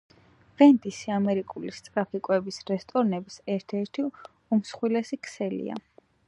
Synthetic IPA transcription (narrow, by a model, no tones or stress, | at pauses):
v̥ɛnd̪isiamɛɾikʼulist̪sʼɾapʰikʼwɛbisɾɛst̪ʼɔɾnɛbisɛɾt̪ʰɛɾt̪ʰi | umsχwilɛsikʰsɛlḭa̰